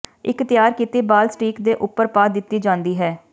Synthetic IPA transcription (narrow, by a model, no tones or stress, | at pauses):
ɪkt̪ɪjaːɾkiːt̪iːbaːlsʈiːkd̪eːʔʊpːəɾpaːd̪ɪt̪ːiːd͡ʒãːnd̪iːɦɛː